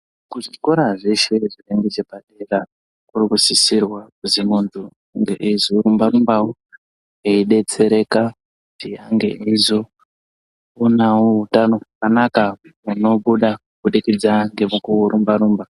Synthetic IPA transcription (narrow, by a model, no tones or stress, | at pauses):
kuʐiko̞ɾaʐeʃeʐireŋɡet͡ʃepaɗera | kurikusisirwakuziŋund͡zu | ŋɡḛʔizoɾumbaɾumbawo | eiɗe̞t͡se̞ɾe̞ka | utiaŋɡe̞̰ʔizo | unawoɦutano̞akanakauno̞ɓuɗakuɓuɗikid͡zaŋɡe̞mukuuɾumbaɾuːmba